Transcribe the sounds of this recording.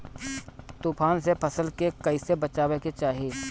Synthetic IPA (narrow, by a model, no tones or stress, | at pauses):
t̪uːpʰaːnsepʰɐsəlkekɐɪsebɐt͡ʃaːweket͡ʃaːɦieː